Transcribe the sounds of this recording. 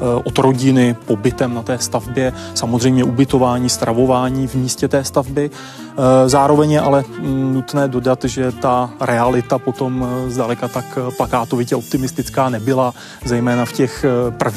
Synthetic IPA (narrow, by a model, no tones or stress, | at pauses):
ʔod̪ɾo̞ɟɪnɪpo̞bɪt̪ɛmnat̪ɛːst̪avbjɛsamozr̝ɛjmɲɛʔubɪt̪o̞vaːɲiːst̪ɾʔavo̞vaːɲiːvmiːscɛt̪ɛːst̪avbɪ | zaːɾo̞vɛɲjɛʔalɛnut̪nɛːdo̞dat̪ʒɛt̪aɾɛalɪt̪apo̞t̪o̞mzdalɛkat̪akplakaːt̪o̞vɪcɛo̞p̚t̪ɪmɪst̪ɪt͡skaːnɛbɪla | zɛjmɛːnafcɛxpr̩v